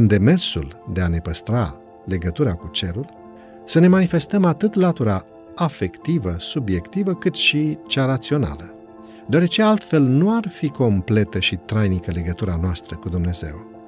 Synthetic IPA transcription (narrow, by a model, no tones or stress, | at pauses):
ɨnd̪e̞me̞rsuld̪e̞ane̞pəst̪ɾa | le̞ɡət̪uɾakut͡ʃe̞ɾul | səne̞manife̞st̪əmat̪ɨt̪lat̪uɾa | afe̞kt̪ivəsubje̞kt̪ivəkɨt̪ʃit͡ʃaɾat̪sio̞na̰lə | d̪oaɾe̞t͡ʃe̞alt̪fe̞lnuarfiko̞mple̞t̪əʃit̪ɾajnikəle̞ɡət̪uɾanoast̪ɾəkud̪umne̞ze̞̰w